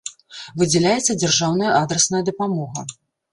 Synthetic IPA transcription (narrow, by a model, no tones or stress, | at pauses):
vɨd͡zʲɛlʲajɛt̪sːɐd͡zʲarʐawnɐjɐʔad̪ɾɛsnɐjɐd̪ɐpamɔɣɐ̰